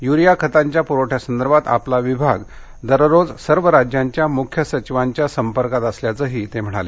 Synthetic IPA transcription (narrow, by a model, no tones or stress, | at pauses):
juɾijakʰət̪aɲt͡ɕjapuɾoʈʰjasənd̪əɾbat̪a̰plaʋibʱaɡ | d̪əɾɾod͡zsəɾʋəɾad͡ʑjaɲt͡ɕjamukʰjəsət͡ɕiʋaɲt͡ɕjasəmpəɾkat̪əsljat͡səːɦiːt̪em̤əɽ̃a̰le